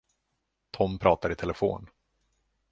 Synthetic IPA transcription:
t̪ʰɔmpʰɾɑːt̪aɾɪt̪ʰɛlɛfo̰ːn

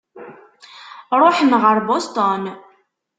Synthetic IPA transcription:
ɾˤoħənʁəɾbost̪on

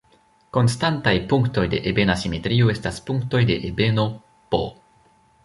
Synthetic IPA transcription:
ko̞nstantajpuŋkto̞jde̞̰ʔebe̞nasime̞tɾioe̞staspuŋkto̞jde̞ʔebe̞no̞ | po̰

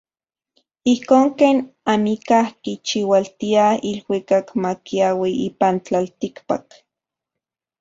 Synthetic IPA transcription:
ihkoːŋkeːnamikahkit͡ʃiwalt̪iailwikakmakiawiiːpant͡ɬalt̪ikpak

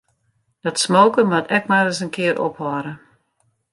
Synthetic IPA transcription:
d̥ɔtsmoːkəmatʰɛk̚maɾəsənkɪəɾʔo̰phɔɾə

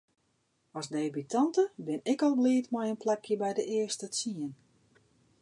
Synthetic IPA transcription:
ɔsdeːbitʰɑntəbɪnɪkɔlˠbliətmɔjənplɛkʰjəbɛjdəʔɪərstət͡siən

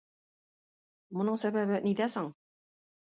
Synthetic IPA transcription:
mŏnɤɴsæβæβɘniðæsɑɴ

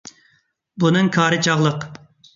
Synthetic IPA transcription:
bunɨŋkʰɑːɾɨt͡ʃʰɑʁlˠəq

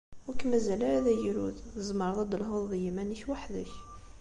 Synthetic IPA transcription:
wəkæmæzælææðæjɾud̪əzməɾˤðˤɑd̪əlɦoððəjæmæniçwaħd̪əç

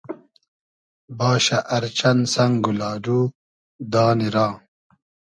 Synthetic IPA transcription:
baːɕɐʔɐɾt͡ɕɐnsɐŋɡulaːɖuː | d̪aːniɾãː

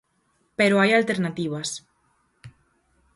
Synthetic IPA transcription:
peɾoajalt̪eɾnat̪iβ̞as

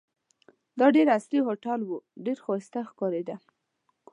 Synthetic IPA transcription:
d̪ɑɖeɾasliɦoʈalwuɖeɾxwɑst̪axkɑɾed̪a

